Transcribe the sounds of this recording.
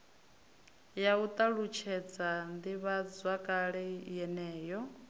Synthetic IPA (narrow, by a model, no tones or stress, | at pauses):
jaut̪ʼaɺut͡ʃʰɛd͡zand̪iβad͡zwakʼaɺɛjɛnɛːjɔ